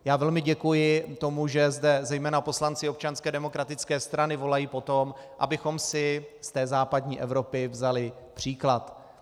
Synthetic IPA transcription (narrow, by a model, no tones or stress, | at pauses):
jaːvɛlmɪɟɛkujɪt̪o̞muʒɛzdɛzɛjmɛːnapo̞slant͡sɪop̚t͡ʃanskɛːdɛmo̞kɾat̪ɪt͡skɛːst̪ɾanɪvo̞lajiːpo̞t̪o̞mʔa̰bɪxo̞msɪst̪ɛːzaːpadɲiːʔɛvɾo̞pɪvzalɪ | pr̝̥iːklat̪